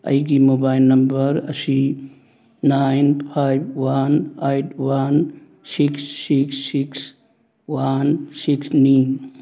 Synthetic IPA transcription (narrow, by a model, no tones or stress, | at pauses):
ɐ̰jɡimobajlnɐmbɐɾɐ̰si | najnpʰajb̚wanejtʰwan | siksːiksːiks | wansiksnin